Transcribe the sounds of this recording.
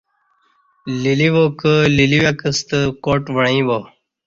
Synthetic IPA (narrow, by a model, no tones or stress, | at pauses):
liliʋoːkəliliʋakəst̪əkoːʈʋəɳĩbo